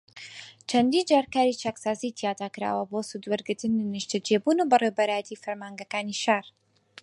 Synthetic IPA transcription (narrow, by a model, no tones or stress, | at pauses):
t͡ʃʰɐnd̪iːnd͡ʒaːɾkaːɾit͡ʃʰaksaːzit̪ʰijaːt̪akɨɾa̰ːwɐboːsud̪wɐɾɡɨɾt̪ɨninɨʃt̪ɐd͡ʒeːbuːnubɨrewbɐɾaːjɛt̪ʰiːfɐɾmaːŋɡɐkaːniʃaːɾ